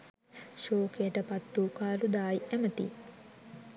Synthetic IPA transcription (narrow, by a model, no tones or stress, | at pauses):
ʃoːkejəʈəpat̪ːuːkaːlud̪aːjʔæmət̪ḭ